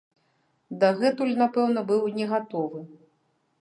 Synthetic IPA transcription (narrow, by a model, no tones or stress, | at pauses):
d̪aɣɛt̪ulʲnapɛwn̪ɐbɨwnʲɛɣat̪ɔvɨ